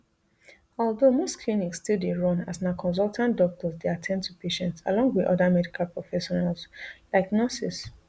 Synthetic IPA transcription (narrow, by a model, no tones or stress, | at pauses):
ɔlˠdomostkʰliniksːtildeɹɔ̃na̰snaʊkʰɔ̃ns̬ɔlˠtʰãndɔk̚tɔsdeatʰɛ̃ndtʰupʰeʃɛ̃ntsa̰lɔ̃ŋɡwiðʔɔ̰damɛdikʰalpɹɔfɛʃɔnalsdaɡnɔsis